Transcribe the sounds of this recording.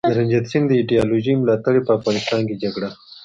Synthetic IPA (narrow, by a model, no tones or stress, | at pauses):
dd̪əɾand͡ʒat̪sind̪əiɖijɑloʒijmlɑt̪aɽepəafɣɑnɪst̪ɑnked͡ʒaɡɽa